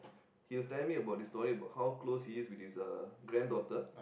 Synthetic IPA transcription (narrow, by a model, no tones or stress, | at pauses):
hiɔstɛlmĩŋəbaʊt̚distɔɹiəbaʊthawkloshiːswitisəɡɾɛ̃ndɔtə